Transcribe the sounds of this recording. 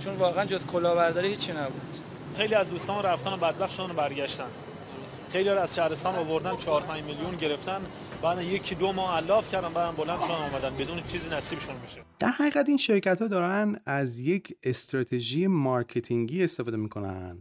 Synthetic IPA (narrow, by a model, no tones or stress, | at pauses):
t͡ʃʰonvɒːɣeænd͡ʒozkʰolɒːbæɾd̪ɒːɾihiːt͡ʃʰːinæbud̪̥ | xejliːæzd̪uːst̪ɒːnɾæft̪ænobæd̪̚bæxt̪ʃod̪ænobæɾɟæʃt̪æn | xe̞jlihɒɾæz̥ʃæhɾest̪ɒːnovo̞ɾd̪ænt͡ʃʰɒːɾpʰæɲd͡ʒmiljunɟe̞ɾe̞ft̪æn | bæːd̪ænje̞cʰiːd̪omɒːhælːɒːfcʰæɾd̪ænbæːd̪ænbo̞lænd̪ʃod̪ænɔːmæd̪ænbed̪uːnet͡ʃʰiːziːnæsiːbeʃunbiʃed̪̥æɾhæɣiːɣæt̪iːnʃe̞ɾcæt̪hɒːd̪ɒːɾænæzjecʰest̪ɾɒːt̪ʰeʒijemɒɾcʰet̪ʰiŋɟiːe̞st̪efɒːd̪emiːkʰo̞næ̰nd̪̥